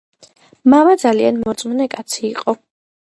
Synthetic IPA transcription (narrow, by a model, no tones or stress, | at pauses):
mamad̪zalianmɔɾt̪sʼmunɛkʼat̪sʰiːqʼɔ